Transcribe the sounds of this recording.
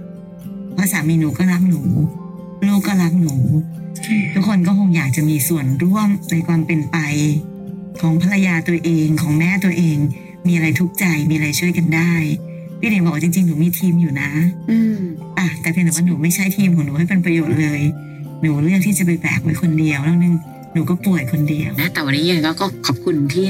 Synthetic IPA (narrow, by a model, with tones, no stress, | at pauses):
pʰaː˧˥saː˩˦miː˧nuː˨˩˦kɔː˥˩ɾa˦˥p̚nuː˩˦ | luː˥˩kːɔː˥˩la˦˥p̚nuː˩˦ | u˦˥k̚ʰːo˧nkɔː˥˩kʰo˧ŋjaː˨˩k̚t͡ɕa˨˩ʔmiː˧su˨˩ənɾu˥˩əmna˧jkʰwaː˧mpe˧npa˧j | kʰɔː˩˦ŋpʰa˧la˧jaː˧t̪u˧ɐʔeː˧ŋkʰɔː˩˦ŋmɛː˦˥t̪u˧ɐʔeː˧ŋ | miː˧ʔa˧ɾa˧jt̪ʰu˦˥k̚t͡ɕa˧jmiː˧a˧ɾa˧jt͡ɕʰu˥˩əjka˧ndaː˥˩j | pʰiː˦˥niː˨˦bwa˥˩t͡ɕi˧ŋt͡ɕi˧ŋnuː˩˦miː˧t̪ʰiː˧mjuː˨˩na̰˦˥ʔɯː˧ | ʔa˨˩t̪ɛː˨˩pʰi˧˥nː˨˩waː˥˩nuː˩˦ma˥˩jt͡ɕʰa˦˥˩jt̪ʰiː˧mkʰːnuː˩˦ha˥˩jpe˧npɾa˧joː˨˩t̪̚lɤː˧j | nuː˩˦lɯ˥˩ək̚t̪ʰiː˥˩t͡ɕa˨˩pa˧jplɛ̰ː˨˩k̚wa˦˥jkʰo˧ndi˧əwnɔː˥˩nɯ˧˩ŋ | nuː˩˦kɔː˥˩plu˨˩əjkʰo˧ndi˧ə˧wna˦˥t̪ɛː˨˩wa˧nːiː˦˥ʔaː˧kɔː˥˩kɔː˥˩kʰɔ˨˩p̚kʰu˧nt̪ʰiː˥˩